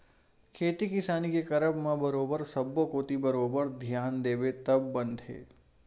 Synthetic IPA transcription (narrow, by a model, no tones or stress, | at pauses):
kʰeːt̪ikɪsaːnikekɐɾəbmãbəɾoːbəɾsɐbːokoːt̪ibəɾoːbəɾd̪ʱjaːnd̪eːbet̪ɐbːə̃nd̪ʱɦḛː